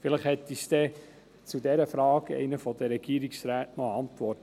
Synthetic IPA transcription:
fɪləχhɛt̪ːisd̥̪ɛ | t͡sudɛɾəfɾɑːɡɛ̰ɪnəfɔd̪əɾɛɡ̥iːɾiksɾæːtnɔɑnt̪ʋɔrt

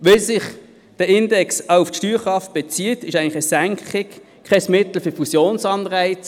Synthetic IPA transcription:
ʋɪlsɪχ | d̥əɪndɛksaʊʊftʃtyːʁχʁɑft̚b̥ɛt͡siətɪʃæɪŋnlɪχəsæŋkχɪk | kʰɛsmɪt̪l̩fyfusjoːnsɑnʁaɪt͡s

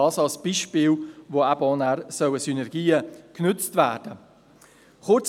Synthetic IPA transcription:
ɑːsɑlsb̥iːʃpɪːlʋoabɔnæɾsœwəsynɛɾɡ̥iːəknʏt͡stvæ̰ːrd̥ə | χʊt͡s

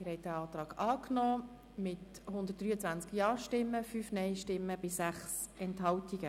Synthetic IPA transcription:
mɪɾhɛɪt̚d̥æɑːt̪ɾɑːɡ̥ɑːknɔː | mɪthʊnd̪ət̚d̥ryːət͡sʋænt͡skjɑːʃtɪmːəfyfnɛɪʃtɪmːəbɪsæχsɛnthɑltiɡ̥ə

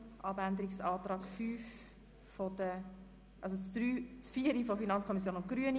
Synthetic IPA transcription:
ʔɑbænd̪əɾiksɑːt̪rɑːɡ̥fyːf | fod̥̪ə | ʔɑlsot͡sdɾyːt͡sfiəɾifofinɑnt͡skʰɔmis̬joːnʊtɡ̥ɾyən

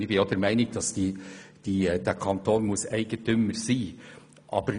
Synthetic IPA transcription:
ɪbɪod̪̥ɛɾmæɪnɪɡ̥d̥ɑsd̥id̥id̥ɛɾkʰɑnt̪ʰoːnmʊsæɪɡ̥əntʰʏməɾsiː | ʔɑ̰ːbəɾ

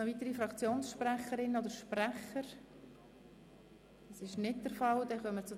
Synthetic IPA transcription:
ɔvit̪əɾifɾɑkt͡sjoːnsʃpræχəɾɪnəodəɾʃpræχəɾ | dɑsɪʃnɪt̚d̥əɾfɑld̥̪ɛχœmət͡sʊ

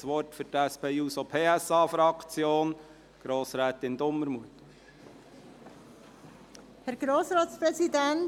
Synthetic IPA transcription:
sʋɔɾtfʏɾtæspeːuːsopʰeːɛsɑːfɾɑkt͡sjoːn | ɡ̥ɾoːsɾɛːt̪ɪnd̪ʊmːəɾmuət | hɛɾɡ̥ɾoːsɾɑːt̪spɾɛsidɛn

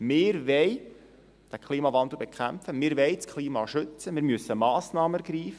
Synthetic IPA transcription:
mɪːɾʋɛɪ | d̪̥ækχliːmɑvɑnd̪l̩ˠbekʰæmfəmɪːɾʋɛɪt͡skʰliːmɑʃʏt͡səmɪːɾmyəsːəmɑːsnɑːməɡ̥ɾiːf

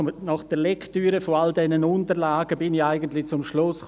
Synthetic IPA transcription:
nɑχd̥ɛlɛktyːɾəfoaldɛnənʊntəɾlaːɡəbɪniçaɪɡəntlɪt͡sʊmʃlʊsχ

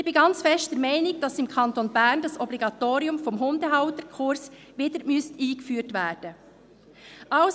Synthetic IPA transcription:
ɪb̥iɡɑnt͡sfɛʃtd̥ɛɾmɛɪnɪɡ̚d̥ɑsɪmkʰɑntonbæɾndɑsɔbliɡɑtoːɾiʊmfɔmɦʊndəɦɑʊtəɾkʰʊɾs | ʋiːdəɾmyəstiːɡfyːtʋæːd̥ə | ʔɑʊs

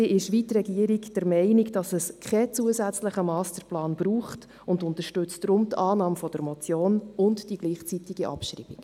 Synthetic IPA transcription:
iʔɪʃʋitrɾɛɡiəɾiɡd̥ɛɾmɛɪniɡd̥ɑsəskʰχɛt͡suəzæt͡sləχəmɑːstəplɑːnb̥ɾuːχt | ʊndʊntəɾʃtʉt͡sd̥ɾʊmtʰɑːnɑːmfɔd̥əɾmɔt͡sjoːnʊntd̥iɡ̥liːχt͡sitiɡ̥iʔɑ̰pʃɾḭːb̥ik

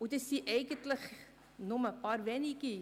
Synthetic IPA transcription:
utəsiʔɛjɣəntlək | nɔməpɑːrvɛniki

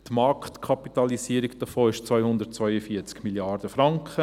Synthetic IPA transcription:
t̪mɑɾkχtkʰɑpit̪ɑlisiːəɾiɡd̥əfoːɪʃt͡sʋœʏhʊnd̪ət̚t͡svœʏəfiːət͡skmiljɑːɾd̥əfɾɑŋkχə

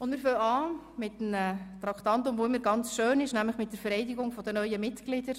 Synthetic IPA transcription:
ʊndmɪɾføːɑː | mɪtmətɾɑktɑntʊmvoɪmːəɾɡɑnt͡sʃøːnɪʃnæmləχmɪt̚d̥ɛɾfɛɾɛɪdɪɡʊŋfɔdənœʏəmɪtɡ̥lɪdəɾ

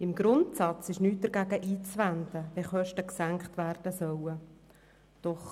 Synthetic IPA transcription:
ɪmɡɾʊntsɑt͡sɪʃnyːt̚d̥̪əɾɡæɡəʔiːt͡sʋænd̪əʋɛχœʃtəksæŋkχtʋæɾd̥əsœwə | d̪̥ɔχ

